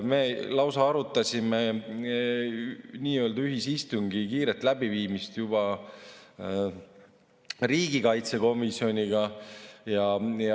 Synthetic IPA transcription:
melɑwsɑɑɾut̪ːˑɑsʲime | niːøld̪ɑyɦisist̪uŋɡikiːɾet̪ːˑlæb̥iviːmist̪jubɑ | riːɡikɑjt̪se̞ko̞misio̞nʲiɡɑjɑj

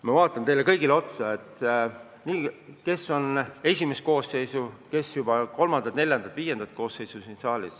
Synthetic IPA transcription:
mɑvɑːt̪ːˑɑnt̪e̞jle̞kɤjɡileo̞t̪sɑet̪ˑ | niːke̞sːo̞ne̞sʲime̞s̚ko̞ːsːe̞jsuke̞sjubɑko̞lmɑnɑt̪ne̞lʲjɑnd̪̥ɑt̪viːje̞nd̪ɑt̪̚ko̞ːsːe̞jsusinsɑːlʲḭs

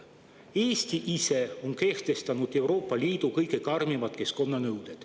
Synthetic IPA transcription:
e̞ːsʲt̪iʔise̞o̞nke̞ht̪e̞st̪ɑnud̪̥e̞wɾo̞ːpˑːɑlʲiːd̪̥ukɤjkekɑrmivɑt̪̚ke̞sko̞nːɑnɤwd̪̥ed̪̥

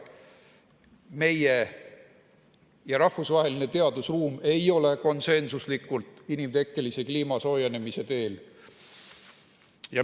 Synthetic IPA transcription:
me̞je | jɑɾɑhfusvɑɦe̞line̞t̪e̞ɑd̪usruːme̞jo̞le̞ko̞nse̞nsuslikːˑult̪ˑinimt̪e̞kːe̞lise̞kliːmɑso̞ːjene̞mise̞t̪e̞ːl | jɑ

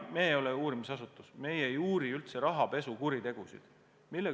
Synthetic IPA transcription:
meːjo̞leuːɾimisɑsut̪ːˑusme̞jejuːɾiylt̪se̞ɾɑɦɑpe̞sukuɾit̪e̞ɡ̥usḭd̪̥ | milːe

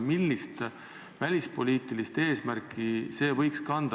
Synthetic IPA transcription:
milʲːist̪ | vælʲispo̞lʲiːt̪ːˑilist̪e̞ːsmærkʰˑːise̞ːvɤ̞jkskɑnd̪̥

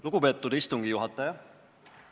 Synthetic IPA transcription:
luɡ̥upe̞ːt̪ːˑud̪̥ist̪uŋɡ̥ijuɦɑt̪ːˑɑjɑ

